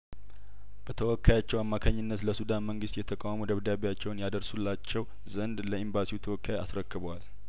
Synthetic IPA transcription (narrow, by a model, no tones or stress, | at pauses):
b̥ət̪ʰəwɔkːajat͡ʃːɛwamːakʰaɲːɪnːət̪ləsud̪anməŋɡɨst̪jɛt̪ʰəkʼawamud̪əβd̪aβejat͡ʃːɛwnjad̪əɾsulːat͡ʃːɛw | zənd̪ləimbasiwut̪ʰəwɔkːaja̰sɾəkːɨβəwal